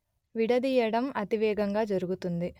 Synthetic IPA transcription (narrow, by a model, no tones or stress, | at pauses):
ʋiɽɐd̪iːjɐɽɐmɐt̪iʋɛːɡɐŋɡaːd͡ʒɐɾuɡut̪und̪i